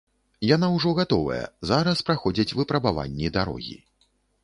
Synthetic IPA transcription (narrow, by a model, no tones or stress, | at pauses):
janawʐɔɣat̪ɔvɐ̰jɐ̰zaɾɐspɾaxɔd͡zʲit͡sʲvɨpɾɐbava̰nʲːid̪aɾɔ̰ɣʲḭ